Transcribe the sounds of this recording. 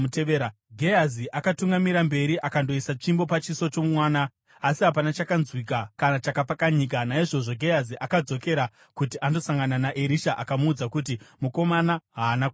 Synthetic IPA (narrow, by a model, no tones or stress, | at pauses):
teʋeːɾa | ɡʱejaziʔakatuŋɡamiɾambe̞ɾiʔakando̞isat͡ʂimbo̞pat͡ʃiso̞t͡ʃo̞mmwaːnaː | siɦap̬anat͡ʃakanzwikakanat͡ʃakapakaɲiːk̬anaiʐo̞ʐo̞ɡʱe̞jaziʔakad͡zo̞ke̞ɾa | kutiʔando̞saŋɡananaʔeɾiʃaʔakamuːd͡zakut̬imuko̞manaɦaːnaku